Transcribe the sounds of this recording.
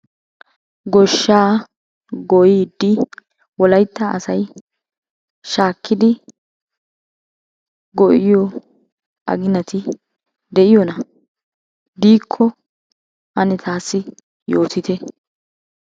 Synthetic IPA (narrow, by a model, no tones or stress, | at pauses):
ɡɔʃːaː | ɡɔjiːd̪ːɪ | wɔlɐjt̪ːɐʔɐ̰sɐj | ʃaːkʰːɪd̪ɪ | ɡɔʔɪjɔ | ʔɐ̰ɡɪnɐt̪ɪ | d̪ɛʔɪjɔnɐ | d̪iːkʰːɔ | ʔɐnɛt̪ʰaːsːɪ | jo̞ːt̪ɪt̪ɛ